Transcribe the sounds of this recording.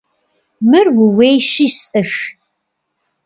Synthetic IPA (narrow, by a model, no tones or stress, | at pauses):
mɨrwʊwejʃisʼɨx